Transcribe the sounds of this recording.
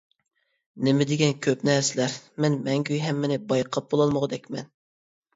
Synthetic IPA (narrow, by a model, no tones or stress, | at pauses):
nɪmɪd̪ɪɡʲɛnkʲʰøpnɛɾsɪlæɾmɛnmɛŋɡʲyjɦɛmːɪnɪbɑjqʰɑp̚b̥olˠɑlˠməʁɑd̪ɛkʲmɛn